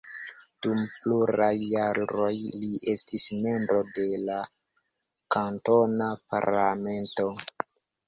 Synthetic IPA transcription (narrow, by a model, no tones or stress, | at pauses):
d̥umpluɾajːaɾo̞jliʔe̞stisme̞mbɾo̞de̞la | kanto̞napa̰ɾlame̞nto̞